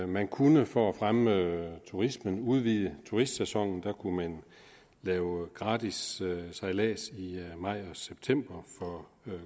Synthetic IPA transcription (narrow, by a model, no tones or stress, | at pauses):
mænkʰunəfɒ̽æfʁamət͡sʰuʁismənuð̞ˠʋiːðˠət͡sʰuʁisd̥sesɒ̽ŋ̰n̩d̥ækʰumæn | lɛːʊɡ̥ʁɑ̈ːd̥issɑ̈ɪlɛ̰ːsimɑ̈ɪ̰ɒ̽seb̥̚t͡sʰem̰b̥ɐfɒ̽